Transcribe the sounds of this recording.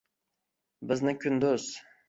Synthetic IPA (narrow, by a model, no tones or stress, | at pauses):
bɪznɪkʲʰynd̪øz̥